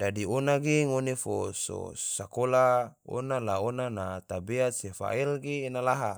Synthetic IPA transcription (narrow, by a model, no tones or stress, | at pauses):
dadionaɡeŋonefoso̰sakolao̰nalaonanat̪abeat̪̚sefa̰ilɡeːnalaɦa